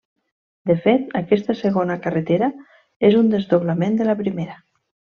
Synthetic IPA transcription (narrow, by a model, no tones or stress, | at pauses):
d̪əfet̪akɛst̪asəɣonakarət̪eɾa | ezund̪ezðoβlamend̪əlapɾimeɾa